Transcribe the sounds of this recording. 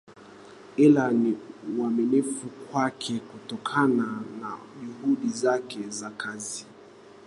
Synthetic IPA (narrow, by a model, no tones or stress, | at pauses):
ilaniwamɛnifukwakʰɛkutɔkʰananaʄuhuɗizakɛzakazi